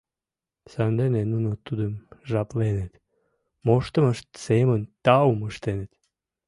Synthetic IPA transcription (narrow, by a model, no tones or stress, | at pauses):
sand̪enenunot̪ud̪əmʒaplenet̪ | moʃt̪əməʃt̪semənʲt̪auməʃt̪enet̪